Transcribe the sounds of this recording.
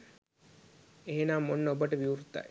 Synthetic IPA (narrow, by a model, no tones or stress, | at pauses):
eɦenaːmonːəobəʈəʋiuɾt̪ːa̰j